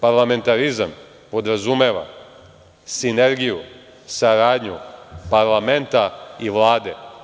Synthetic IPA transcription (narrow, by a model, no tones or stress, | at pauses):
paɾlˠame̞nt̪aɾizam | po̞d̪ɾazume̞ːʋa̰ | sineɾɡiju | saɾaːd̪ɲṵpaɾlˠame̞nt̪aiʋlˠaːd̪e